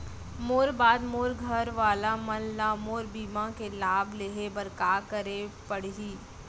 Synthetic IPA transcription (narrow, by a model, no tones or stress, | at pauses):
moːɾbaːd̪moːɾɡʱɐɾʋaːlamɐnlaːmoːɾbiːmãkelaːbleːɦebɐɾkaːkəɾepəɽ̤ɦiː